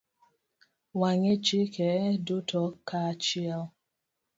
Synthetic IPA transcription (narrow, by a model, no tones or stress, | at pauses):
waɲet͡ʃikɛdutʰɔkat͡ʃiaw